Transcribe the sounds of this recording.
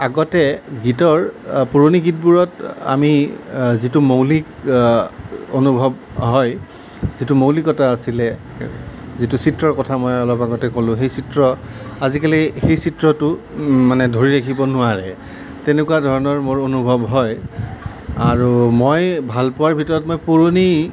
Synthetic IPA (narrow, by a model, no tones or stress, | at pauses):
aɡɔtɛɡitɔɹpuɹoniɡit̚buɹɔta̰mizitumowlik | onubʱɔb | ɦɔj | zitumowlikɔtaːsilɛ | zitʊsitɹɔɹkɔtʰamɔjɔlɔpaɡɔtɛkolʊ̃xejsitɹɔazikalixejsitɹɔtʊmanɛdʱoɹiɹakʰibɔnʊaɹɛ | tɛnekuwadʱɔɹɔnɔɹmoɹonubʱɔbɦɔj | aɹumojbʱalpʊwaɹbʱitɔɹɔtmojpuɹoni